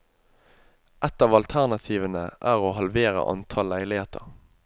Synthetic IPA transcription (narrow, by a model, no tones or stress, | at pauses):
ʔɛt̪ɑːʋɑlt̪ʰæʁnɑt̪ʰiːʋənəʔæːʁoːɦɑlʋeːʁə̰ʔɑ̰nt̪ʰɑːlæɪlɪheːt̪ʰəʁ